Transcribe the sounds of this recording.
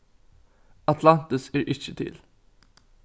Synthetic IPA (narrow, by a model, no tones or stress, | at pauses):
ɑt̪ʰlɑnt̪əsæːɹʔɪt͡ʃːət̪ʰɪ̰l